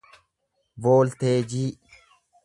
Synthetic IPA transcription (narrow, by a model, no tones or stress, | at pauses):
boːlt̪eːd͡ʒiːʔ